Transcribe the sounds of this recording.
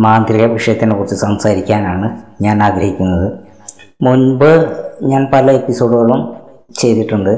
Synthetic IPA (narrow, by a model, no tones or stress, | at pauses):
maːnd̪ɾiɣɐʋiʂɐjɐt̪ːinepurut͡ɕːisɐmsaːɾikʲːaːnaːɳɨɲaːnaːɡɾɐɦikʲːunːɐðɨ | munbɨɲaːnpɐlɐe̞pːiso̞ːɽɨɣɐɭum | t͡ɕe̞jt̪iʈːuɳɖɨ